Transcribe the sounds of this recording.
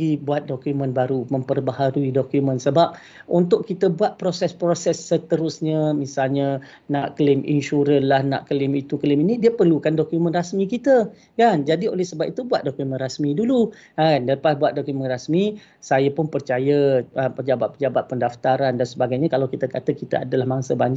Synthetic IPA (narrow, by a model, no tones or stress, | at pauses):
ibuat̪̚dokumə̃nbaɾuməmpərbahaɾuidokumə̃nsəbap̚ | unt̪ʊkkːit̪əbuat̪̚pɾosɛspɾosɛsːət̪əɾʊsɲəmisalɲa | naʔklɪmʔḭnʃuɾənlahna̰ʔklɪmit̪uklɪminĩdiəpərlukandokjumə̃nrasmikit̪ə | kand͡ʒadio̰lɛhsəbap̚it̪ubuat̪̚dokumə̃nrasmidulu | andapasbuat̪̚dokumə̃nrasmi | sajəpʊnpərt͡ʃajəəpəd͡ʒabat̪̚pəd͡ʒabat̪̚pəndaft̪aɾandansəbaɡajɲãkalawkit̪əkat̪əkit̪aa̰dalahmaŋsəbaɲd͡ʒ